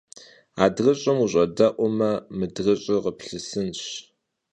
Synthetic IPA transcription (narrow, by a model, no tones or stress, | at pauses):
aːdrɨɕʼɐmuɕʷʼɐdɐʔʷʊmɐmɨdrɐɕʼɪʁəpɬɨsɨnɕ